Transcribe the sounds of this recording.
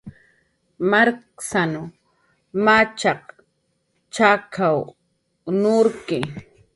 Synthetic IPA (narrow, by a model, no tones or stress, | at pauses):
maɾksanʊ | mat͡ʃɑq̚ | t͡ʃakʰaw | nʊɾkɪ